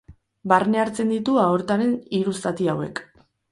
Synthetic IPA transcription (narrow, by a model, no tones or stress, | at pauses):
barne̞aɾt͡se̞nd̪it̪uaoɾt̪aɾe̞niɾust̪at̪iawe̞̰k